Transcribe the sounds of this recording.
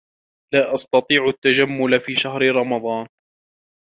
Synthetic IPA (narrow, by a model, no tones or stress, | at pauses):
laːʔɑst̪ɑt̪ˤiːʕat̪ːad͡ʒamːʊlafiːʃahɾɪɾˤɑmɑd̪ˤɑːn